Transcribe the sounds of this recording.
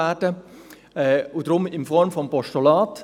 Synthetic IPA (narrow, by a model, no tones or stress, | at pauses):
ɛd̥ə | ɛʊdɾʊmɪnfɔɾmfɔmpɔʃtolɑːt